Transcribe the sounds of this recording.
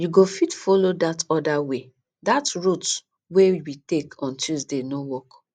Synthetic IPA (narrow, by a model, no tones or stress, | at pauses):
juɡofitfɔlodatɔdawe | datɹut | wewitekɔ̃ntuzdenowɔk